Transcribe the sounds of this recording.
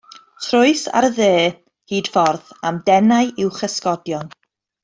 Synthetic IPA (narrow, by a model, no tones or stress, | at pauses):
tʰrʊɨsa̰ɾəðeː | hiːd̥fɔrðamdɛnajʔɪwχəskɔdjɔn